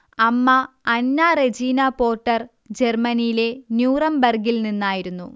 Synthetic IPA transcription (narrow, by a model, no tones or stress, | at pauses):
ɐmːɐː | nːared͡ʑiːnɐpo̞ːʈːɐr | d͡ʑermɐnijile̞njuːrɐmbɐrɡilninːaːjiɾunːṵ